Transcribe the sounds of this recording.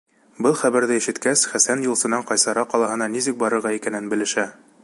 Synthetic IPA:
bɤlˠχæβæɾðɘiʃɘ̆t̪kæsχæsænjŭlˠsɤ̆nɑɴqɒjsɑɾɑqːɒlˠɑɦɤ̆nɑnisɘk̚bɒɾɤ̆ɾʁɑikænɘnbɘ̆lɘ̆ʃæ

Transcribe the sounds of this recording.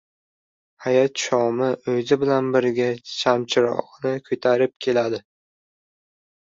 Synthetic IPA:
hajɒt̪ʃɒmɪɵzɪbɪlanbɪɾɡʲat͡ʃʰamt͡ʃʰɪɾɒ̰ʁnɪkʰɵt̪ʰaɾɪp̚kʲʰe̞lad̪ɪ

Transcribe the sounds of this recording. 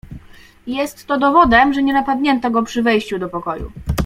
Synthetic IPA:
jɛst̪ːɔd̪ɔvɔd̪ɛmʐɛɲɛnapad̪ɲɛnt̪ɔɡɔpʂɘvɛjɕt͡ɕud̪ɔpɔkɔjṵ

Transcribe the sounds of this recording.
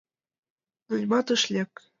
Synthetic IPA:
nulʲmɑt̪ɤ̆ʃlʲek

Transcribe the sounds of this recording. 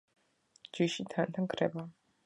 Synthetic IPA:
d͡ʒiʃit̪ʰant̪ʰaŋkʰɾɛba

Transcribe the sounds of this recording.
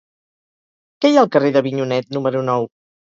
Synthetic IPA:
kɛjaəlˠkəreðəβiɲunɛt̪numəɾunɔw

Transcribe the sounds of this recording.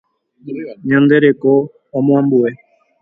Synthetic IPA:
ɲãnd̪eɾekõː | mõãmbue

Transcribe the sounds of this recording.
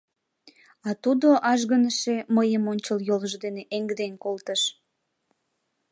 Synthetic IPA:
ɑt̪ud̪oʔɑʒɣənəʃeməjəmonʲt͡ɕəljoləʒd̪eneʔeŋɡd̪enkolt̪əʃ

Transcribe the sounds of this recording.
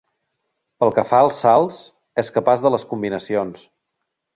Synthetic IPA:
pəlˠkəfaəlˠsːalˠs | ɛskəpazðələskumbinəsions

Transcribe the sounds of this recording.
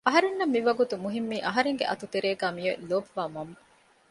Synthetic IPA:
ɐɦɐɾenːɐmːiʋɐɡut̪umuɦimːiːʔɐɦɐɾeŋɡḛʔɐ̰t̪ut̪eɾeːɡæːmijo̰loːbʋaːmɐmː

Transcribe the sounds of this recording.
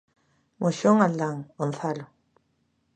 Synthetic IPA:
mʔoɕoŋald̪aŋonθalo

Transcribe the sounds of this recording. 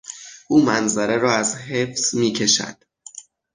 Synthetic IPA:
ʔuːmænzæɾe̞ɾɒːæzɦe̞fsmiːcʰe̞ʃæ̰d̪̥

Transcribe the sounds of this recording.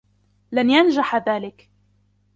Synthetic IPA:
lanjand͡ʒaħaðaːlɪk

